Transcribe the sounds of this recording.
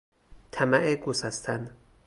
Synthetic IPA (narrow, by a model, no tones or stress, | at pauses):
t̪ʰæmæʔeɡusæst̪ʰæn